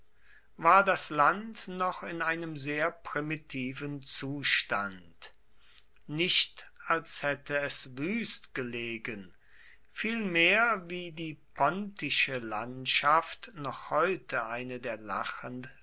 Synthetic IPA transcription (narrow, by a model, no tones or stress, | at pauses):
vaːɐdaslantnɔχɪnaɪnəmzeːɐpʁ̥imitʰiːvənt͡suːʃta̰nt | nɪʃtalshɛtʰəɛsvyːstɡ̥əleːɡən | fiːlmeːɐviːdiːpʰɔntɪʃəla̰ntʃaftnɔχhɔʏtʰəʔaɪnədeːɐla̰χənd